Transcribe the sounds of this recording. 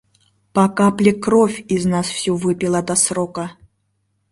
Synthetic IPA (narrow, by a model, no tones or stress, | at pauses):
pakaplʲikɾɔfʲiznaswsʲuvɨpʲilˠɐd̪asɾɔkɐ